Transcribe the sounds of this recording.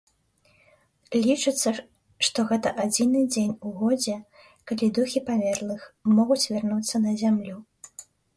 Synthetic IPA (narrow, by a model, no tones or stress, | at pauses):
lʲit͡ʂɨt̪sːɐ | ʂt̪ɔɣɛt̪ɐʔad͡zʲinɨd͡zʲenʲuɣɔd͡zʲɛ | kalʲid̪uxʲipamʲɛrlˠɨxmɔɣut͡sʲvʲarnut̪sːɐnɐzʲamlʲu